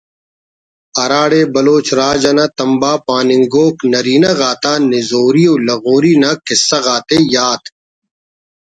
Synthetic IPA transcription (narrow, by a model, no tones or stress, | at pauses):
ɐɾaːɽebɐloːt͡ɕɾaːd͡ʑɐnat̪ɐmbaːpaːnɪŋɡoːknɐɾiːnɐɣaːt̪aːnɪzoːɾioːlɐɣoːɾiːnakɪsːɐɣaːt̪ejaːt̪